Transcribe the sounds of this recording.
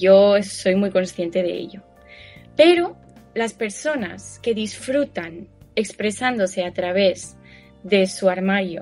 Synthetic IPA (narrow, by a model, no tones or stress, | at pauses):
ʝo̞so̞jmujko̞nsθje̞nt̪e̞ðe̞̰ḛʎo̞ | pe̞ɾo̞ | laspe̞ɾso̞na̰ske̞ðisfɾut̪ane̞kspɾe̞sand̪o̞se̞at̪ɾaβ̞e̞z | ðe̞suaɾmaɾjo